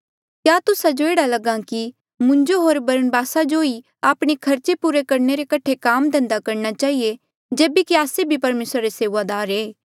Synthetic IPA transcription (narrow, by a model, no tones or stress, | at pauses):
kjaːt̪ʊsad͡ʒoeːɽalɐɡãki | mʊ̃ɲd͡ʒoɦoːɾbɐɾənbaːsad͡ʒoi | aːpɽ̃ekʰɐɾt͡ʃepuːɾekɐɾneɾekɐʈʰekaːmd̪ɛ̃nd̪akɐɾnat͡ʃaːɦie | d͡ʒeːbekiaːsebʱipɐɾmeːsɾaɾeseːʋad̪aːɾeː